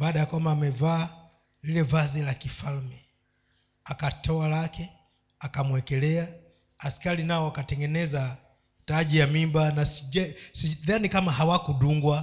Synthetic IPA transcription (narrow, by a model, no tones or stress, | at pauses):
baːɗajakamaːmɛvaː | lilɛvazɛlakifalmɛ | akatɔalakɛ | akamwɛkɛlɛa | askalinaɔwakatɛŋɡɛnɛza | taʄijamimbanasiɛsiðanikamaɦawakuɗuŋɡwa